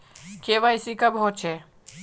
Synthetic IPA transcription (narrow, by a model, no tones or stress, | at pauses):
keːʋaɪsikabɦoːt͡ʃʰe